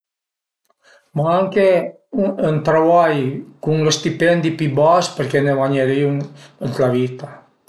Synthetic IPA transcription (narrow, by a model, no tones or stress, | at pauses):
maaŋke | ənt̪ɾaβajkuŋlest̪ipɛnd̪ipibaspəɾkeneβaɲeɾiuŋənt̪lavit̪a